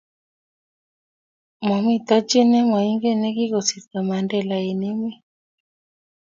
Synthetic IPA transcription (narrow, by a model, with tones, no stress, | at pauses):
ma˨mi˦t̪a˦t͡ʃe˦nɛ˦ma˨i˦ŋɡe˦nɛ˦ki˦ko˨si˨ɾt̪a˨ma˨ndɛ˦˨la˨e˨ne˦mi˦